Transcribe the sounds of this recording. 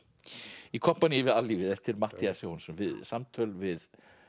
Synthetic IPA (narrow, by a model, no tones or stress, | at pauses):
ikʰɔm̥panjivɪðalːiːvɪðɛht̪ɪɾmaht̪iasɛɔnsɛmvɪðsamt̪ʰœlvɪð